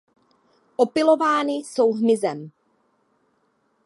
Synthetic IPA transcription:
ʔopɪlo̞vaːnɪso̞wɦmɪzɛm

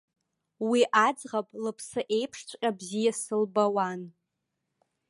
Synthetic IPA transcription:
wiʔad͡zʁapʼlɨpʰsɨʔe̞jpʰʂt͡ɕʷʰʼqʲʼabzijasɨlbawan

